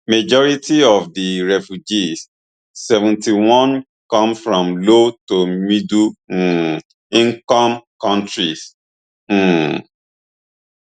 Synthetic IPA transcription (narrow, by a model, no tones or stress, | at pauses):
mad͡ʒɔɹitiɔfdiɹɛfjud͡ʒisː | ɛvɛ̃ntiwɔ̃n | kɔ̃mfɹɔ̃mlotomidu | ĩŋkɔ̃mkɔ̃ntɹis̩